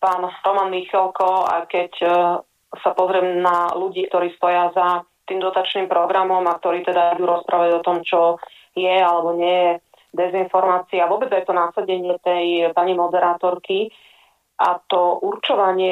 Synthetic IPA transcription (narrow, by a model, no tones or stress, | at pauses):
paːnɾɔmaːnmixɛlkɔa̰kɛc | sapɔzɾɪɛmnaluɟiːkt̪ɔɾiːst̪ɔjaza | t̪iːmd̪ɔt̪at͡ʃniːmpɾɔɡɾamɔmak̚t̪ɔɾiːt̪ɛd̪aid̪uːɾɔspɾʔaːʋaɟɔt̪ɔmt͡ʃɔ | jɛalɛbɔɲɪɛjɛ | d̪ɛzinfɔɾmaːt͡siaʋʊɔbɛd͡zajt̪ɔnasaɟɛɲɪɛt̪ɛjpaɲimɔd̪ɛɾaːt̪ɔɾki | ʔat̪ɔʔuɾt͡ʃɔʋaɲɪɛ